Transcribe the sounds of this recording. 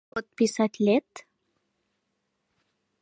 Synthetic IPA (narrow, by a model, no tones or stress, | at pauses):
ot̪̚pisɑt̪ʲlʲet̪